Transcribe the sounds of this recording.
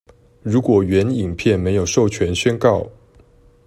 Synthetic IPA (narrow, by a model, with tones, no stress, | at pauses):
ɻu˨˥kwɔ˨˩ɥɛ˨˥ni˨˩ŋpʰjɛ˥˨nme˧ɪjo˨˩ʊʂo˥˩ʊt͡ɕʰɥɛ˧˦nɕɛ˥nkɑ˥˩ʊ